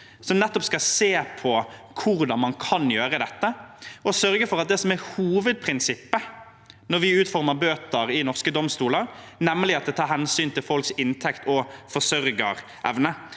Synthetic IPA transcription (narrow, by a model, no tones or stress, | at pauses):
sɔmnɛt̪ːɔpskɑseːpʰɔkʰʊɾd̪ɑnmɑnkʰɑnjøːɾəd̪ɛt̪ːəɔsœɾɡəfɔɾɑt̪̚d̪ɛsɔmæɾhuːʋəd̪̚pʰɾɪnsɪpːə | nɔɾʋɪʉːt̪fɔʁməbøːt̪əɾɪnɔʁskəd̪ɔmst̪uːləɾnɛmːəlɪɑt̪̚d̪ɛt̪ʰɑːɾhɛnsyːnt̪ɪlfɔlksɪnt̪ʰɛkt̪ʰɔfɔsœɾɡəɾ | ʔɛ̰ʋnə